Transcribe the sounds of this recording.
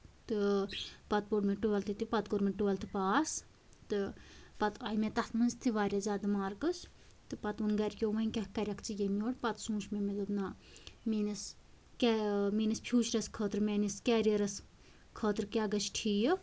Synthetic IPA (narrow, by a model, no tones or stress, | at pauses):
t̪ɨpɐt̪̚poɽmeʈuʋɐlt̪ʰɨt̪ipɐt̪̚koɾmeʈuʋɐlt̪ʰɨpaːs | t̪ɨpɐt̪ɐjmet̪ɐt̪mɨnst̪ʰiʋaːɾʲazaːd̪ɨmaːɾkɨs | t̪ɨpɐt̪unɡɐɾʲkʲoːʋɐinʲkʲɐhkɐɾʲɐkʰt͡sʰɨjemʲoːʈpɐt̪sũːʃmemed̪ut̪naː | minɐs | kɛmiːnispʰʲuːt͡ʃɾɐskʰəːt̪ɾmeːniskɛːɾʲeɾɐs | kʰəːt̪ɾkʲaːɡɐt͡ʃʰʈʰiːjə